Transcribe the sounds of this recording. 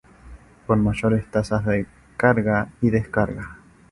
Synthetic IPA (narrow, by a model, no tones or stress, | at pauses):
konmaʝoɾest̪asazðe | kaɾɣaiðeskaɾɣa